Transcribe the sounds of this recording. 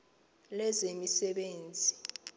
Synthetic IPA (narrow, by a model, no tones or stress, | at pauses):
lɛzemisɛɓeːnd͡zʱi